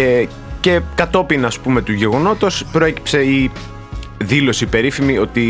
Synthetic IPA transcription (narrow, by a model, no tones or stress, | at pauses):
ce̞kɐt̪o̞pinːspume̞t̪uʝe̞ɣo̞no̞t̪ospɾo̞e̞ci̥pse̞i | ðilo̞sipe̞ɾifimio̞t̪i